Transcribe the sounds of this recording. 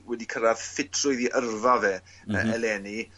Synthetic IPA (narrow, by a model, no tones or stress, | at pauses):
wɛdikʰəɾað̥fɪtʰrʊjðiʔərvavɛ | əɛlɛni